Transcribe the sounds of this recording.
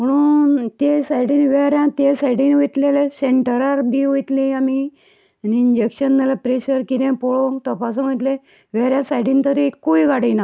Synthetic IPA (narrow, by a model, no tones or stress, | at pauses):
m̤əɽ̃uːt̪esaiɽiːnʋeɾjãt̪esaiɽiːnʋot̪leleseɳʈəɾaɾbʱiʋojt̪lĩami | niɲd͡ʑekɕənːalapɾeɕəɾkit̪ẽpoɭot̪əpas̬unʋojt̪le | ʋeɾjãsaiɽiːnt̪əɾikuiɡaɽina